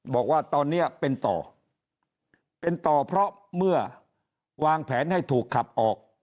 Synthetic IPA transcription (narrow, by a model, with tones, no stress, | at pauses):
bɔː˨˩k̚waː˥˩t̪ɔː˧nːi˦˥ɐpe˧nt̪ɔ̰ː˨˩ | pe˧nt̪ɔː˨˩pʰɾɔ˦˥ | mɯ˥˩ɐ | waː˧ŋpʰɛː˩˦nha˥˩jt̪ʰuː˨˩kʰːa˨˩p̚ʔɔː˨˩k̚